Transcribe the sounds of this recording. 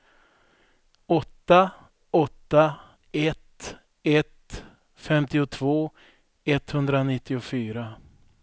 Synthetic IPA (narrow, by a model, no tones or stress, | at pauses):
ɔt̪ːa | ɔt̪ːa | ɛt̪ | ɛt̪ | fɛmt̪ɪʊt̪ʰv̥oː | ɛt̪hɵnd̪ɾanɪt̪ːɪʊfyːɾa